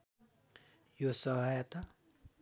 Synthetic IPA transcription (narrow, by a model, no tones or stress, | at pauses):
josʌɦʌjʌt̪a